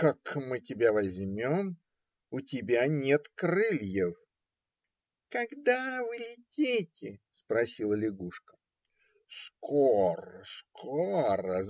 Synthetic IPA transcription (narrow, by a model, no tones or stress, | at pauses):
kakmɨtʲɪbʲavɐzʲmʲom | ʊtʲɪbʲanʲet̪kɾɨlʲjɪf | kɐɡd̪avɨlʲɪtʲetʲɪspɾɐsʲilˠəlʲɪɡuʂkə̥ | skʰoɾəskʰoɾə